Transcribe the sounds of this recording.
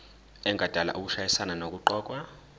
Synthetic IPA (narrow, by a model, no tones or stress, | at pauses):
ɛŋʱad̥ʱala̰ʔuk̬uʃajisananok̬uǃɔːk̬ʼwa